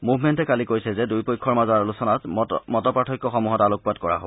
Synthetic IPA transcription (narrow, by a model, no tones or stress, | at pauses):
muvʱmɛntɛkalikojsɛzɛdujpojkʰɔɹmazaɹolusɔnatmɔtɔpɹatʰɔkːɔxɔmuɦɔtalok̚padkɔɹa̰ɦobɔɔ